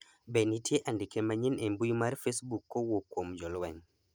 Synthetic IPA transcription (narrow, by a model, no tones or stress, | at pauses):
benitieʔandikemaɲinembujmaɾfesbukːowokomd͡ʒɔlwaɲ